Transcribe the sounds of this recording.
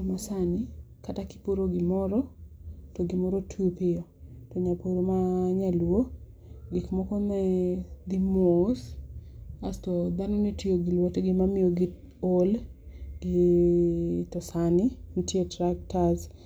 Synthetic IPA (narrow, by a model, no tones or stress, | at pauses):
masanɪkataki̥poɾoɡɪmɔɾɔtoɡɪmɔɾotʰupɪɔtoɲapoɾomaɲalwo | ɡɪkmɔkɔnɛd̪imos | astɔd̪anɔnitijoɡɪlwotɡɪmamɪjoɡɪ | olɡ̥ɪ | tɔsanɪntjetɾak̚taz